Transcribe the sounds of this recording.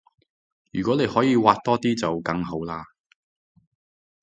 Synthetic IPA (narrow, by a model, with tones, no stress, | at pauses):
jyː˨˩kʷɔː˨˥ne˨˧jhɔː˨˥jiː˨˧waː˧t̚t̪ɔː˥t̪iː˥t͡sɐ˨wkɐ˧ŋɦo˨˥wlaː˧